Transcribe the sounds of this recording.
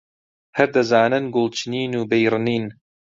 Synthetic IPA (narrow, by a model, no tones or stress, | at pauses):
hɐɾd̪ɐzaːnɨnɡʊlˠt͡ʃʰɨniːnuːbejɾɨniːn